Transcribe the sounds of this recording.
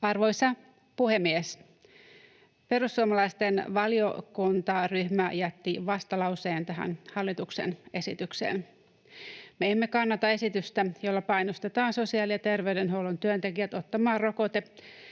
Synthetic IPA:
ɑrʋo̞jsɑ | puhe̞mːies | pe̞ɾusːuomɑlɑjst̪e̞nʋɑlio̞̰kunt̪ɑryhmæjæt̪ːiʋɑst̪ɑlɑwse̞ːnt̪æɦæ̰nhɑlːit̪ukse̞̰ne̞sit̪yksḛːn | meemːekɑnːɑt̪ɑe̞sit̪yst̪æjolːɑpɑjnost̪et̪ɑːnso̞siɑːliɑt̪e̞rʋe̞ɥde̞nɦo̞wlont̪yønt̪e̞kiæt̪o̞t̪ːɑmɑːro̞ko̞t̪e

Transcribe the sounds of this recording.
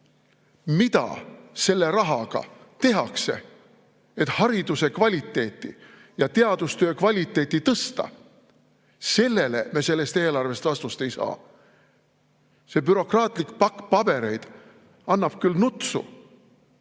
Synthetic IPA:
mit̪ɑ̰se̞lːe̞ɾɑɦɑɡ̥ɑ̰ | t̪e̞ɦɑkse̞̰ | et̪hɑɾid̪use̞kvɑlʲit̪ːˑe̞ːt̪ˑːḭ | jɑt̪e̞ɑd̪̥ust̪ø̞ːkvɑlʲit̪ːˑe̞ːt̪ːit̪ɤst̪ɑ̰ | se̞lːe̞le̞̰mese̞lːe̞st̪e̞ːlɑrve̞st̪vɑst̪ust̪e̞jsɑ̰ː | se̞ːpyɾo̞krɑːt̪ˑlikpɑkːpɑb̥e̞ɾe̞jd̪̥ | ɑnːɑb̥̚kylnut̪sṵ

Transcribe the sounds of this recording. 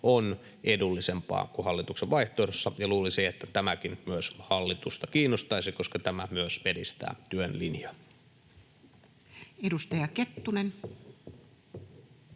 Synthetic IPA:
on | edulːisempˑɑ̰ːkuhɑlːit̪ukseʋʋɑiht̪oːdosːɑjɑluːliseet̪ːæt̪æmækinmyøshɑlːit̪ust̪ɑkiːnːost̪ɑisikoskɑt̪æmæmyøsʋedist̪æ̰ːt̪yønlinjɑ | edust̪ɑjɑket̪ːunen

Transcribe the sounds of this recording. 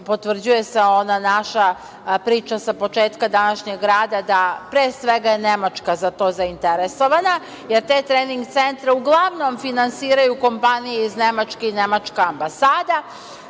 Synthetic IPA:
po̞t̪ʋr̩d͡ʑuje̞seo̞nanaʃa | pɾiːt͡ʃasapo̞t͡ʃeːt̪kad̪anaʃɲe̞ɡːɾaːd̪ad̪apɾeːsʋeɡajenemat͡ʃkazat̪o̞ːzaint̪eɾeso̞ʋana | jeɾt̪e̞ːt̪ɾeːniŋɡt̪se̞nt̪ɾeuɡlˠaʋno̞mfinansiːɾajuko̞mpanijeiznemat͡ʃkeinemat͡ʃkaːmbasaːd̪a

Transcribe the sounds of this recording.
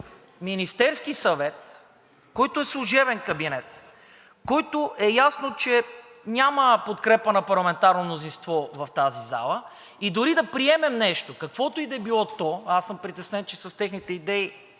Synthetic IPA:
minist̪ɛɾskisɐvɛt̪ | kɔjt̪oɛslˠuʒɛvɛnkɐbinɛt̪ | kɔjt̪oʔɛjasnot͡ʃɛ | nʲaməpot̪kɾɛpənɐpɐɾlˠɐmɛnt̪aɾnomnozinst̪vɔvɐft̪aziza̰lˠə | id̪ʊɾid̪ɐpɾiɛmɛmnɛʃt̪okɐkvɔt̪oid̪ɛbilˠɔt̪ɔasːɤmpɾit̪ɛsnɛnt͡ʃɛsɐst̪ɛxnit̪ɛid̪ɛi

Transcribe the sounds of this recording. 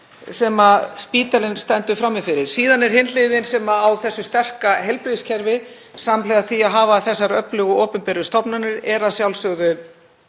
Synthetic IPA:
sɛmaspiːt̪alɪnst̪ɛnt̪ʏfɾamːɪfɪɾɪɾ̥siːðanɛɾ̥hɪnlɪðɪnsɛmaːwθɛsːʏst̪ɛr̥kaɦɛlpɾiscʰɛɾvɪ | samlɛɣaθiaðɦaːvaθɛsːaɾœplʏɣʏoːpʏmpɛːɾʏst̪ɔpnanɪɾɛɾaðsjawlsœɣɣʏ

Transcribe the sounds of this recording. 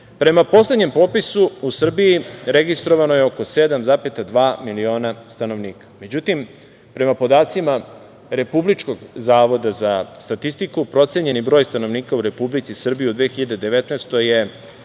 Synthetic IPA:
pɾe̞mapo̞sled̪ɲe̞mpo̞ːpisuusr̩bijiɾe̞ɡist̪ɾo̞ʋanojeo̞ko̞se̞d̪amzapet̪ad̪ʋaːmilio̞ːnast̪ano̞ʋniːkḁme̞d͡ʑut̪im | pɾe̞mapo̞d̪aːt̪sima | ɾe̞publit͡ʃko̞ɡzaːʋo̞d̪azast̪at̪ist̪ikupɾo̞t̪seɲe̞nibɾo̞ːjst̪ano̞ʋniːkauɾe̞publit̪sisr̩bijiud̪ʋeːxiʎad̪ed̪e̞ʋe̞t̪neːst̪o̞je

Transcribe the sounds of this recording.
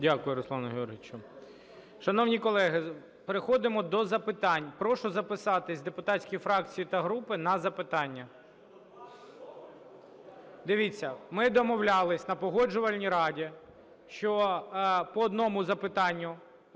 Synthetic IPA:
dʲakʊjʊɾɔslˠanɐɦʲeɔrɦɪt͡ʃʊ | ʃɐnɔwnʲikɔlˠɛɦɪ | peɾɪxɔd̪ɪmɔd̪ɔzɐpɪt̪ɑnʲpɾɔʃʊzɐpɪsɑt̪ɪsʲd̪epʊt̪ɑtʲsʲkijifɾɑk̚t͡sʲijit̪ɐɦɾupɪnɐzɐpɪt̪ɑnʲːɐ | d̪ɪʋʲit͡sʲːɐmɪd̪ɔmɔwlʲalˠɪsʲnɐpɔɦɔd͡ʒʊʋɐlʲnʲiɾɑdʲi | ʃt͡ʃɔ | pɔːd̪nɔmʊzɐpɪt̪ɑnʲːʊ

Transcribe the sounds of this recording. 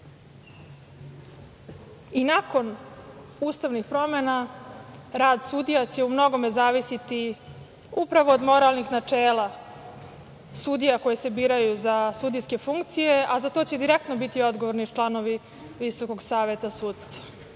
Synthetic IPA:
inako̞n | uːst̪aʋnixpɾo̞mena | ɾaːd̪sud̪ijat͡ɕe̞umno̞ɡo̞me̞zaːʋisit̪i | upɾaʋo̞ːd̪mo̞ɾalˠnixnat͡ʂeːlˠa | sud̪ijako̞jese̞biːɾajuzasud̪ijske̞fuŋkt̪sijeʔazat̪o̞ːt͡ɕe̞d̪iɾek̚t̪no̞bit̪io̞d̪ɡoʋoɾnit͡ʃlˠano̞ʋi | ʋiso̞ko̞ɡsaːʋe̞t̪asuːt̪st̪ʋa

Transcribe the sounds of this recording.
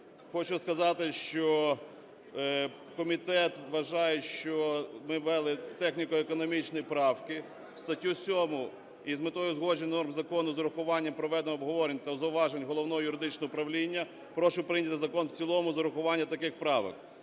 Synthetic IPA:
xɔt͡ʃʊskɐzɑt̪ɪʃt͡ʃɔ | kɔmʲit̪ɛt̪ʋɐʒɑjɛʃt͡ʃɔmɪʋɛlˠɪt̪ɛxnʲikɔekɔnɔmʲit͡ʃnɔjipɾɑwkɪ | st̪ɐtʲːusʲɔmʊ | izmɪt̪ɔjʊzɦɔʒenʲɐnɔrmzɐkɔnʊzɐɾʊxʊʋɑnʲːɐmpɾɔʋɛd̪enmɔbɦɔʋɔɾenʲt̪ɐzɐwʋɑʒenʲɦɔlˠɔwnɔɦɔjʊɾɪd̪ɪt͡ʃnɔɦɔʊpɾɐʋlʲinʲːɐ | pɾɔʃʊpɾɪnʲɐt̪ɪzɐkɔnwt͡sʲilˠɔmʊzɐɾʊxʊʋɑnʲːɐt̪ɐkɪxpɾɑʋɪ̰k

